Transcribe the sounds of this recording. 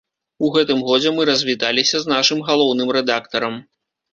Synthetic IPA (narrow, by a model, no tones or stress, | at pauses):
uɣɛt̪ɨmɣɔd͡zʲɛmɨɾɐzʲvʲit̪alʲisʲɐznaʂɨmɣalˠɔwnɨmɾɛd̪akt̪ɐɾɐm